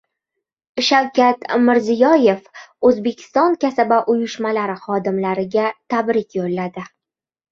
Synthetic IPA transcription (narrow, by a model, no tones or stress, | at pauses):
ʃawkʲat̪mɪɾzɪjɒje̞fɵzbe̞kʲʰɪ̥st̪ɒŋkʲʰasabaʔʊjʊʃmalaɾɪχɒd̪ɪmlaɾɪɡʲat̪ʰabɾɪkʲʰjollːad̪ɪ